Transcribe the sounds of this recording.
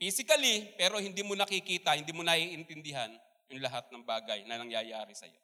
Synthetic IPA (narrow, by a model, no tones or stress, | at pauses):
fiːsɪkɐlipɛːɾo̞hɪnd̪iːmonɐkɪkiːt̪ɐhɪnd̪iːmonɐʔiːʔɪnt̪ɪnd̪ɪɦan | jʊŋlɐɦat̪̚nɐŋbaːɡɐjnɐnɐŋjajaːɾɪsɐ̰jo̰